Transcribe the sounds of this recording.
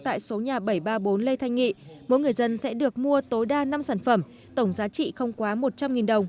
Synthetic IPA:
t̪a̰ː˧˨jso˨˦ɲaː˨˩ɓə˧˩jɓaː˧ɓo˨˦nle˧t̪ʰa˧jŋ̟ŋḭ˧˨mo̰˧˥jŋɨ˨˩əjzə˧nsɛ̰˧˥ɗɨ˨˩ək̚mu˧ət̪o˨˦jɗaː˧na˧msaː˧˩nfə˧˩m | t̪ə˧˩wŋ͡mzaː˨˦t͡ɕḭ˧˨xə˧wŋ͡mkwaː˨˦mo˨˩t̚t͡ɕa˧mŋi˨˩nɗə˨˩wŋ͡m

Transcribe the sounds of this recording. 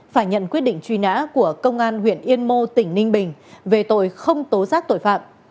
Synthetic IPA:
faː˧˩jɲə̰˧˨nkwi˦˥ət̚ɗḭ̈˧˨ŋ̟t͡ɕwi˧na̰ː˧˥ku˧˩əkə˧wŋ͡mʔaː˧nhwḭ˧˨ənʔi˧ənmo˧t̪ï˧˩ŋ̟nï˧ŋ̟ɓï˨˩ŋ̟ve˨˩t̪o̰˧˨jxə˧wŋ͡mt̪o˨˦zaː˦˥k̚t̪o̰˧˨jfa̰ː˧˨m

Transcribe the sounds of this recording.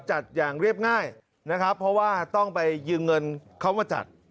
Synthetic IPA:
t͡ɕa˨˩t̪̚jaː˨˩ŋɾi˥˩əp̚ŋaː˥˩j | na˦˥kʰa˦˥pʰːɔ˦˥waː˥˩t̪ɔ˥˩ŋpa˧jːɯː˧ŋŋɤ˧nkʰa˦˥wmaː˧˩t͡ɕa̰˨˩t̪̚

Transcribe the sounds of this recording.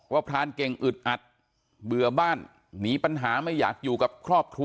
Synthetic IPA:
waː˥˩pʰɾaː˧˥nke˨˧ŋʔɯ˨˩t̪̚ʔa˨˩t̪̚ | bɯ˨˩ɐbaː˥˩nː | iː˩˦˥pa˧nɦaː˩˦ma˥˩jːa̰ː˨˩k̚juː˨˩ka˨˩p̚kʰɾɔː˥˩p̚kʰɾu˧

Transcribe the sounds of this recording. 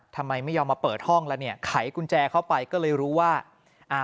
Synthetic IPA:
t̪ʰa˧mːa˧jma˥˩jːɔː˧mːaː˧pɤː˨˩t̪̚hɔ˥˩ŋlɛ˦˥wni˥˩ɐkʰa˩˦jkʰu˧nt͡ɕɛː˧kʰa˥˩wpa˧jkɔː˥˩lɤː˧jɾuː˦˥waː˥˩ | ʔaː˧˩

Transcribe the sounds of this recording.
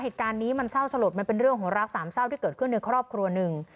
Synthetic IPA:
ɦeː˨˩t̪̚kaː˧nːiː˦˥ma˧nsa˥˩wsa˧lu˨˩p̪̚ma˧npe˧nɾɯ˥˩əŋɦu˩˦ɾa˦˥k̚saː˩˦msa˥˩wt̪iː˥˩kɤː˨˩t̪̚kʰɯ˥˩nːa˧jkʰɾɔː˥˩p̚kʰɾu˧ɐnɯ˨˩ŋ

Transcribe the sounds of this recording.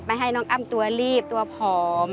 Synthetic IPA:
pa˧jɦa˥˩jnɔː˦˥ŋʔa˧˥˩mt̪u˧ɐliː˥˩p̚t̪u˧ɐpʰɔː˨˦˩m

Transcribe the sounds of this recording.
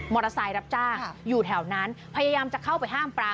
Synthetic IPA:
mɔː˨˩t̪ːa˧saː˧jɾa˦˥p̚t͡ɕaː˥˩ŋjuː˨˩t̪ʰɛ˩˦wna˦˥npʰa˧jaː˧jaː˧mt͡ɕa˨˩kʰa˥˩wpa˧jɦaː˥˩mpɾaː˧

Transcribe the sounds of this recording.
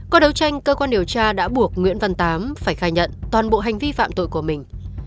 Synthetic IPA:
kɔ˨˦ɗə˨˦wt͡ɕa˧jŋ̟kəː˧kwaː˧nɗi˨˩əwt͡ɕaː˧ɗa̰ː˧˥ɓu˧˩ək̚ŋwḭ˧˥ənvə˨˩nt̪aː˨˦mfaː˧˩jxaː˧˩jɲə̰˧˨nt̪waː˨˩nɓo̰˧˨ɦa˨˩jŋ̟vi˧fa̰ː˧˨mt̪o̰˧˨jku˧˩əmï˨˩ŋ̟

